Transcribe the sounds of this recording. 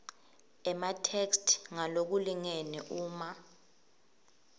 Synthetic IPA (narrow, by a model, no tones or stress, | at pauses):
ɛmatʰekstʰŋalok̬uliŋeniʔuːma